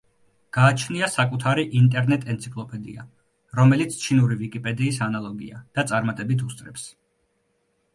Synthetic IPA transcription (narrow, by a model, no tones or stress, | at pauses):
ɡ̥aːt͡ʃʰniasakʼut̪ʰaɾiʔint̪ʼɛɾnɛt̪ʼɛnt̪sʰikʼlˠɔpʼɛd̪ḭa̰ | ɾɔmɛlit̪sʰt͡ʃʰinuɾivikʼipʼɛd̪iːsanalˠɔɡḭa̰d̪̥at̪sʼaɾmat̪ʼɛbit̪ʰust̪ʼɾɛps